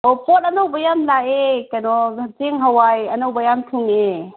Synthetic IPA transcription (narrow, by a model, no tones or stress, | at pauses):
opɔt̚ɐnawbajamlaekanɔzeŋɦawajɐnawbajamtʰuŋe